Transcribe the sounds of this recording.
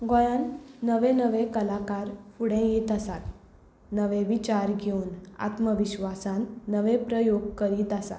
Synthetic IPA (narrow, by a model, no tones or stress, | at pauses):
ɡɔ̃janːəʋenəʋekəlakaɾfuɽẽjiːt̪əsat̪ | nəʋeʋit͡ɕaɾɡʱeuna̰t̪məʋiɕʋasãnːəʋepɾəjoɡ̚kəɾiːt̪asa̰